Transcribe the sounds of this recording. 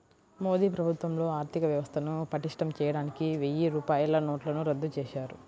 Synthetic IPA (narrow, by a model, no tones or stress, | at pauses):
mo̞ːd̪iːpɾɐbʱut̪ʋɐmlo̞ːaːɾt̪ʰikɐʋjɐʋɐst̪ʰɐnupɐʈiʂʈɐmt͡ʃɛːjɐɽaːnikiʋejiɾuːpaːjɐlɐnoːʈlɐnuɾɐd̪ːut͡ʃɛːʃaːɾu